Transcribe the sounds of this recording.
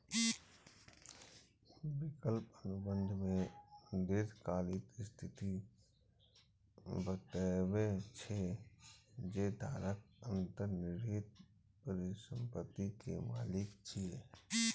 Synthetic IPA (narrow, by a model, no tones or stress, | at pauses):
wɪkəlpənʊbə̃nd̪ʱmẽnd̪ɪd̪kaːlɪt̪st̪ʰɪt̪i | bət̪əwet͡ʃʰe | d͡ʒed̪ʱaːɾək̚ə̃nt̪əɾnɪɾeːt̪̚ | pəɾisə̃mpət̪ːikḛma̰ːlɪkt͡ʃʰi